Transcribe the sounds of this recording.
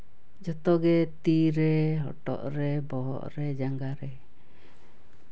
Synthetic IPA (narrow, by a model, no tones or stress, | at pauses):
d͡ʒɔt̪ɔɡɛt̪iɾɛɦɔ̰ʈɔ̰ʔɾɛbɔɦɔ̰ʔɾɛd͡ʒaŋɡaɾɛ